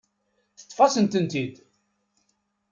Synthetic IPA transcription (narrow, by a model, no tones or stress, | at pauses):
θə̥t̪ˤːfɑsənt̪ənt̪id̪